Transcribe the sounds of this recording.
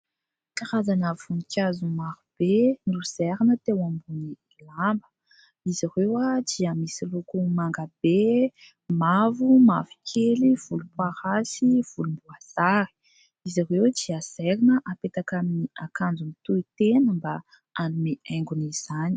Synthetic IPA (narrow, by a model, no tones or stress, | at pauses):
kaɾazanəv̥unikʲazumaɾub̥enuz̥ɛɾinət̪ewambuni | lambə̥ | izaɾewad͡ʒiamisilukumaŋɡabe | mavumavi̥kʰeliv̥ulupwaɾasiv̥ulumbuaz̥aɾi̥ | izarewd͡ʒiaz̥ɛɾinəʔapet̪akaminiakand͡zumit̪uit̪enəmba | anumeɛŋɡuniz̥ani̥